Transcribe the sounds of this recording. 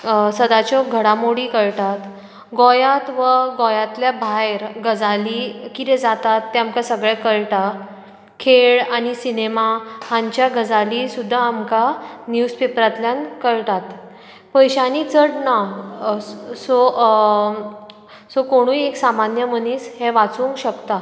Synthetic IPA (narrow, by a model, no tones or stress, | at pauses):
səd̪at͡ɕɔɡʱəɽamoɽiːkəɭʈ̪at̪ | ɡɔjat̪ʋəɡɔjat̪ljabʱajɾɡəd͡zalikit̪ed͡zat̪at̪ːeamkasəɡɭɛkəɭʈa | kʰeɭañisinemahãɲt͡ɕjaɡəd͡zalisud̪ʱːaːmkanjuspepɾat̪ljankəɭʈ̪at̪ | pəjɕanit͡səʈna | so | sokoɽ̃ũeksamanjəməniːshɛ̃ʋat͡sũːŋkɕəkt̪a